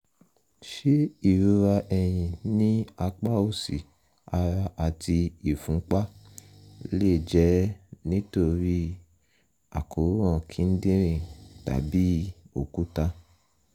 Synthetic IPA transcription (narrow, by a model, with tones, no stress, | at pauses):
ʃe˦i˦˨ɾu˧ɾa˧ʔɛ˧j̃ĩ˧nĩ˦a˧k͡pa˦o˦˨si˨ | a˧ɾa˧ʔa˨ti˧i˨fũ˨˦k͡pa˦ | le˦˨d͡ʒɛ˨˦nĩ˦to˧ɾi˦ | a̰˨ko˨˦ɾu˦ã˦˨kʰi˨˦n̩˦dĩ˦ɾ̃ĩ˦˨ta̰˨˦bi˦o˨ku˦ta˧˦